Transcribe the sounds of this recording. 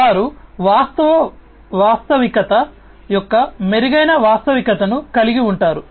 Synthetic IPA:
aːɾuʋaːst̪ɐʋɐ | ʋaːst̪ɐʋikɐt̪ɐ | jɔkːɐmeɾiɡɐjnɐʋaːst̪ɐʋikɐt̪ɐnukɐliɡiuɳʈaːɾu

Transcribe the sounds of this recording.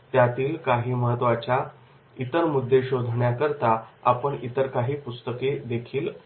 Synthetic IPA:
t̪jat̪iːlkaɦiːməɦət̪ʋat͡ɕja | it̪əɾmud̪ʱːeɕod̪ʱɳjakəɾt̪aa̰pəɳit̪əɾkaɦiːpust̪əked̪ekʰiːl

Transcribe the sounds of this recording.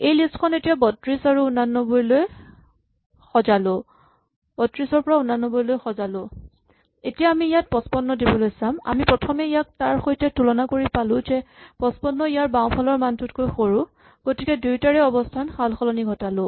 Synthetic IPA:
ejlistkʰɔnetijabɔtɹisaɹuːnanːɔbɔɹiloj | xɔzalʊ | b̥ɔtɹisɔɹpɔɹaʊnanːɔbɔɹlojxɔzalʊ | etijaːmiːjat̚pɔspɔnːɔdibɔlojsama̰mipɹɔtʰɔmɛijak̚taɹxojtɛtulɔnakoɹipalʊ̃zɛpɔspɔnːɔijaɹbaʊ̃pʰalɔɹmantutkojxoɹũ | ɡ̥otikɛdujtaɹɛɔbɔstʰanxalxɔlɔniɡʱɔtalʊ

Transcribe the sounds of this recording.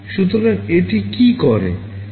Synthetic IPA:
ʃut̪̬oɾaŋeʈikikɔɾḛ

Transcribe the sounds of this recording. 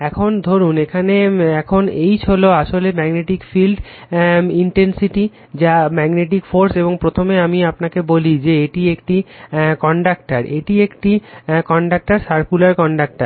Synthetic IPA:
ɛkʰond̪ʱoɾunekʰaneɛkʰonejt͡ɕʰoloaʃolemɛɡneʈikfilɖ | iɳʈensiʈi | d͡ʑamɛɡneʈ̬ikfoɾseboŋpɾot̪ʰomeamiapnakebolid͡ʑeeʈiekʈikɔɳɖak̚ʈaɾeʈiekʈikɔɳɖak̚ʈaɾsaɾkulaɾkɔɳɖak̚ʈaɾ

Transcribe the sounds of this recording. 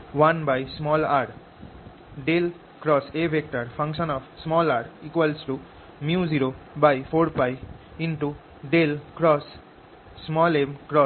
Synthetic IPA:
wanbajsmɔlaɾ | ɖel | kɾɔsebʱek̚ʈaɾpʰʌ̃ŋksʌnɔpsmɔlaɾikwalsʈu | mjuziɾobajpʰoɾpajinʈu | ɖelkɾɔsː | mɔlemkɾɔ

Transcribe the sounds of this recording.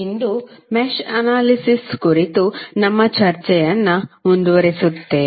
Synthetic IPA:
ind̪umeʃɐnaːlisiskuɾit̪unɐmːɐt͡ʃɐɾt͡ʃɐjɐnːɐuɳɖuʋɐɾesut̪ːe

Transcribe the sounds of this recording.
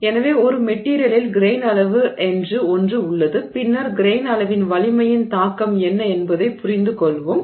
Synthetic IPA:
ɛnɐʋeːɔɾɯmɛʈːiːɾɪjɐlɪlɡɪɾeːnɐlɐʋɯʔɛndrɯɔndrɯʊɭːɐðɯpɪnːɐɾɡɪɾeːnɐɭɐʋɪnʋɐlɪmɐjɪnt̪aːkɐmɛnːɐɛnbɐðɐɪpʊrɪnd̪ɯkɔɭʋɯm

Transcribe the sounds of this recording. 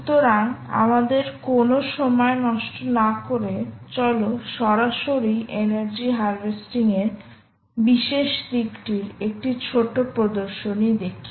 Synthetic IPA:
ut̪oɾaŋa̰mad̪eɾkonoʃɔmɔenɔʃʈonakoɾet͡ɕɔloʃɔɾaʃoɾiʔeneɾd͡ʑiɦaɾbesʈiŋeɾ | biʃeʃd̪ikʈiɾek̚ʈit͡ɕʰoʈopɾod̪oɾʃonid̪ekʰːi

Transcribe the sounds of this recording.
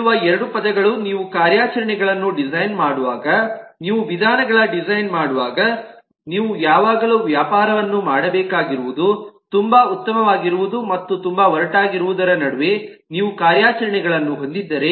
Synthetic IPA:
uʋɐɛɾɐɽupɐd̪ɐɡɐɭuniːʋukaːɾjaːt͡ʃɐɾɐɳɛɡɐɭɐnːuɖizɐjnmaːɽuʋaːɡɐniːʋuʋid̪ʱaːnɐɡɐɭɐɖizɐjnmaːɽuʋaːɡɐ | niːʋujaːʋaːɡɐluːʋjaːpaːɾɐʋɐnːumaːɽɐbɛːkaːɡiɾuʋud̪ut̪umbɐut̪ːɐmɐʋaːɡiɾuʋud̪umɐt̪ːut̪umbɐʋɐɾɐʈaːɡiɾuʋud̪ɐɾɐnɐɽuʋe̞ | niːʋukaːɾjaːt͡ʃɐɾɐɳɛɡɐɭɐnːuɦo̞nd̪id̪ːɐɾe̞

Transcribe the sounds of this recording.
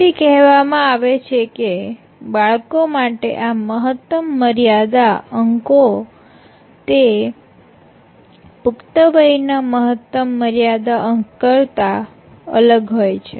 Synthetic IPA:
ikɛɦʋamãaʋet͡ʃʰeke | baɭkomaʈḛʔaməɦət̪ːəmːəɾijad̪aəŋko | t̪e | pʊkt̪əbəjnaməɦət̪ːəmːəɾjad̪aʔəŋkəɭt̪a | ə̰ləɡɦojt͡ʃʰe

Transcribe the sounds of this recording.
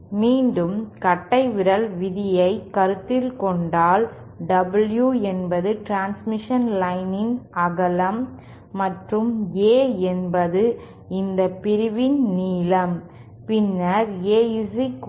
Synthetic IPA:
miːnɖɯmkɐʈːɐɪʋɪɾɐlʋɪðɪjɐɪkːɐɾɯt̪ːɪlkɔɳɖaːl | ɖɐbɐljuɛnbɐðɯʈɾaːnsmɪʂɐnlɐɪnɪnɐɣɐlɐmː | ɐʈrɯmeːɛnbɐðɯ | ɪnd̪ɐpɪɾɯʋɪnniːlɐm | pɪnːɐɾeːɪsɪk

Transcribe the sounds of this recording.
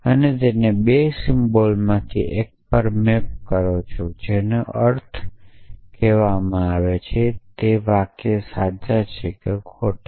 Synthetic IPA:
ənet̪enebesɪmbolmãt̪ʰḭʔek̚pəɾmep̚kəɾot͡ʃʰod͡ʒeneəɾt̪ʰ | keʋamãaʋet͡ʃʰet̪eʋakesad͡ʒat͡ʃʰekekʰoʈ

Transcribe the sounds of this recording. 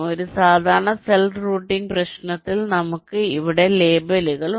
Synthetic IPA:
o̞ɾusaːd̪ʱaːɾɐɳɐselɖruːʈːiŋɡprɐɕnɐt̪ːilnɐmukːɨiʋiɽe̞le̞ːbɐluɣɐɭ

